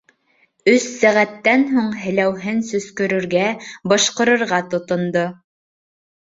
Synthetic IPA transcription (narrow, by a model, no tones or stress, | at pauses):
ɵsːæʁæt̪ːænɦuɴɦɘ̆læwɦɘnsɵ̆skɵ̆ɾɵ̆ɾɡæbɤʃqɤ̆ɾɤ̆ɾʁɑt̪ŏt̪ŏnd̪o